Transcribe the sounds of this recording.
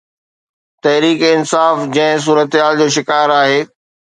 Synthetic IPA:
t̪ɐɦɾiːkɪnsaːfd͡ʑɐ̃ɦɪ̃s̬uːɾət̪ɦaːld͡ʑoːʃ̬ɪkaːɾaːɦeː

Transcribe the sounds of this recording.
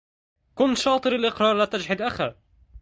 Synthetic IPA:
kʊnt̪ʃɑːt̪ˤɨɾalʔɪqɾˤɑːɾˤlaːt̪ad͡ʒħɪd̪ʔaxa

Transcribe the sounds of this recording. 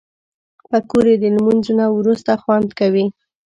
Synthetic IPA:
pəkoɾed̪əlmunzunawɾust̪axwand̪kawi

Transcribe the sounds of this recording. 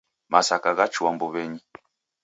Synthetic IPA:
masakaɣat͡ʃuambɔβɛɲi

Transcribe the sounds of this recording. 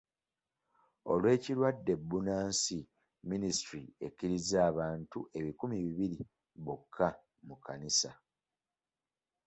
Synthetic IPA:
o̞̰lwe̞ːciɾwadːe̞bːunaːnsi | ministɾie̞̰cːiɾizaːβaːntuʔe̞βikumiβiβiɾi | βokʰːa | mukanisa

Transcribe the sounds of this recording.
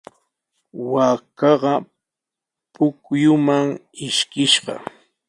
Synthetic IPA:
wakɑɢɑ | pʊkjʊmaŋɪʃkɪʃɢɑ̰

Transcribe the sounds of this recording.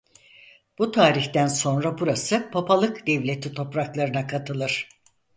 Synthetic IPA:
b̥ut̪ʰaːɾiçt̪ænso̞nɾabuɾasɯpʰapalˠɯkd̪̥ɛvlʲe̞t̪ʰit̪ʰo̞pɾaklˠaɾɯnakʰat̪ʰɯlˠɯɾ̥

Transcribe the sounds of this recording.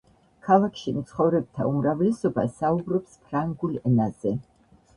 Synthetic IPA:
kʰalˠakʰʃimt̪sʰχɔvɾɛb̚t̪ʰa̰umɾavlɛsɔba̰saubɾɔpspʰɾaŋɡulɛnaz̥ɛ

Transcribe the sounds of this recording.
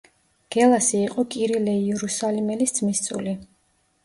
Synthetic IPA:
ɡ̥ɛlˠasiːqʼɔkʼiɾilɛiɛɾusalimɛlisd̪zmist̪sʼṵli

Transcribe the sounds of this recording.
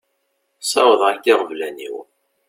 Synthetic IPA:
sɑwəðˤʁækːɪʁəvlænḭw

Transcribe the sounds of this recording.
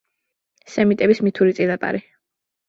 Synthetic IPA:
sɛmit̪ʼɛbismit̪ʰuɾit̪sʼidapʼa̰ɾi

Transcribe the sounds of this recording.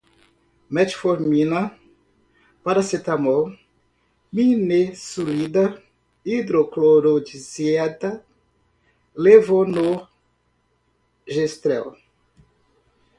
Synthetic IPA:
mɛt͡ʃfoɾmina | paɾaset̪amo | minesulid̪a | id̪ɾokloɾod͡ʒiziɛt̪a | levono | ʒest̪ɾɛ̰w

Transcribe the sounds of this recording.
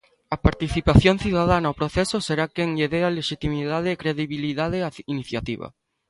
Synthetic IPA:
ɐpaɾt̪iθipaθjon̟θiðaðanaopɾoθesoseɾakeŋʎeðealeʃit̪imiðað̞eːkɾeðiβiliðað̞eainiθjat̪iβa̰

